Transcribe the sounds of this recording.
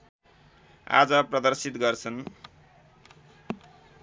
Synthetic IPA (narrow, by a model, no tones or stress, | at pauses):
a̰d͡zʌprʌd̪ʌrsit̪ɡʌrt͡sʰʌn